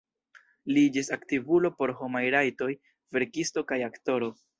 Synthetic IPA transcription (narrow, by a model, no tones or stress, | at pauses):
lid͡ʒisaktivulo̞po̞ɾɦo̞majɾajto̞j | ve̞ɾkisto̞kajakto̞ɾo̞